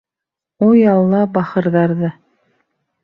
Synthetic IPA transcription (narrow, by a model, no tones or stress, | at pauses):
ujɑlˠːɑbɑχɤ̆ɾðɑɾðɤ